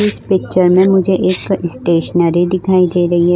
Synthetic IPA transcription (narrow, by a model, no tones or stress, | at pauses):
ʊspɪk̚t͡ʃəɾmẽmʊd͡ʒʱeʔeːkɪsʈeːʃənaːɾid̪ɪkʰaːid̪eːɾɐɦiɦɛ